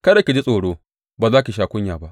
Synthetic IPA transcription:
kɐ˦da˨kʲi˨d͡ʒi˦sʼoː˨ɽoː˦ | baː˨zaː˦kʲi˨ʃ̬aː˨kʷʊ˦ɲjaː˨ba˦ʔ

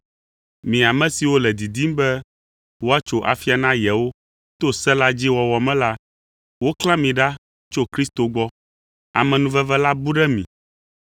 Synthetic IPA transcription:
mĩ˨a˨mɛ̃˦si˨wo˦lɛ˨d̪i˨d̪i˦m˦bɛ˦ | wo˦a˦t͡ʃo˦ʔa̰˨fi˦a˨nã˦jɛ˨wo˦ | t̪o˦sɛ˦la˦d͡ʑi˦wɔ˨wɔ˨mɛ̃˦la˦ | wo˦klã˦mĩ˨ɖa˦ | t͡ʃo˦kɾi˦st̪o˨ɡ͡bɔ˦ | a̰˨mɛ̃˨nũ˦vɛ˦vɛ˦la˦bu˦ɖɛ˦mḭ̃˨

